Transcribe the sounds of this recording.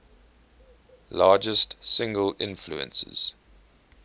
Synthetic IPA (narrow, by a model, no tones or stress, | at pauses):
lɑːd͡ʒəstsɪ̃ŋɡəlɪ̃nfluə̰̃nsə̰z̥